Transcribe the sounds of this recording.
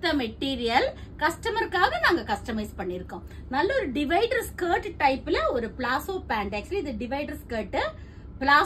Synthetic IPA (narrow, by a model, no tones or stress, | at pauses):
t̪ːɐmɛʈːiːɾɪjɐl | kɐsʈɐmɐɾkːaːɣɐnaːŋɡɐkɐsʈɐmɐɪspɐɳːɪɾɯkːʊ̃ː | nɐlːɐɔɾɯɖɪʋɐɪɖɾskəːʈʈːɐɪpːɪlɐɔɾɯplaːsoːpaːɳɖɐk̚t͡ʃʊliɪðɯɖɪʋɐɪɖɐɾskɐːʈːɯ | pɪlaː